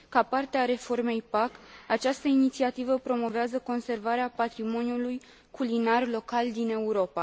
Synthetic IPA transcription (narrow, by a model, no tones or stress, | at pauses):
kapart̪eaɾe̞fo̞rme̞jpakat͡ʃast̪əinit̪siat̪ivəpɾo̞mo̞veazəko̞nse̞rvaɾeapat̪ɾimo̞njuluj | kʰulinarlo̞kald̪ine̞uɾo̞pa